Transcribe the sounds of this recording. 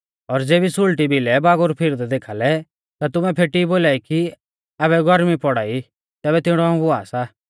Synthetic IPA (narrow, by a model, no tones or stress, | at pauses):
ɔɾd͡zeːbisʊlʈibilɛbaːɡʊɾpʰɪɾd̪d̪eːkʰaːlɛ | t̪at̪ʊmɛ̃pʰeːʈiboːlaːiki | aːβɛɡʱɔɾmipɔɽaːi | t̪ɛːβɛt̪ɪɽ̃ɔaũɦʊaːsa